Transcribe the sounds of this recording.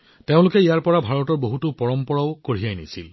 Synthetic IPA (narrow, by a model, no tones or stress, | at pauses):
teʊ̃lʊkɛijaɹpɔɹabʱaɹɔtɔɹboɦutʊpɔɹɔmpɔɹaʊkoɹijajnisil